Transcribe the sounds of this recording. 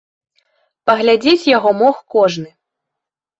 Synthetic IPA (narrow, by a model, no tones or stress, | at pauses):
pɐɣlʲad͡zʲet͡sʲjaɣɔmɔxkɔʐnɨ